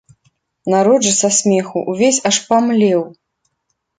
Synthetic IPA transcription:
naɾɔʐɨsasʲmʲɛxṵʔuvʲesʲaʂpamlʲɛw

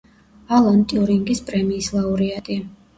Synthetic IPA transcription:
alˠɔnt̪ʼiuɾiŋɡispʼɾɛmiːslˠauɾiat̪ʼi

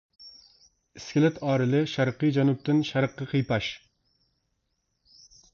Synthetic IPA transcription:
ɪskʲɪlɪt̪ʰɑːɾɨlɪʃæɾqːɨd͡ʒɑnup̚t̪ɪnʃæɾqːɑqʰəjpɑʃ

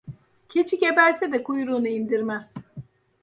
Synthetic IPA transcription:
cʰe̞t͡ʃʰice̞bæɾsɛd̪ɛkʰujɾuːnɯind̪iɾmæz̥

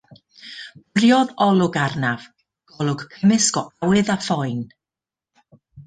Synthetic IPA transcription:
brjɔðɔlˠʊɡarnav̥ | ɡ̥ɔlˠʊɡ̥kʰəmɨsɡɔʔawɨðafɔɨn

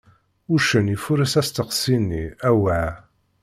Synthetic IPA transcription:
ʊɾʃənifuɾəsæst̪əqsinːiæwa

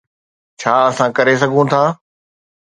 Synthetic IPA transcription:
t͡ɕʰaːɐsãkɐɾes̬ɐɡʱũt̪ʰaː

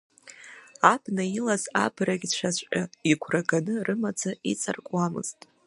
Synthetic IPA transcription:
abnailaza̰braɡʲt͡ʃʷʰazʷʼaiɡʷʰraɡanɨrɨmad͡zʰait͡sʼa̰rkʼwamɨ̰z̥tʼ

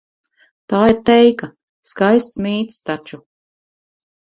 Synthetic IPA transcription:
t̪aːiɾt̪ɛjka | skajst̪smiːt̪st̪at͡ʃu

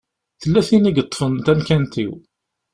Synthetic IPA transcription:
θəlːæθiniɡət̪ˤːə̥fənt̪ænkænt̪ḭw

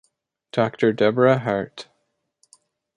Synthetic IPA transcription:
d̥ɔktʰə˞dɛbɹəɦaɹt

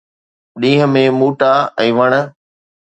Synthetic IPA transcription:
ɗĩːɦə̆mẽmuːʈaɛ̃ːʋɐɽ̃ə̆

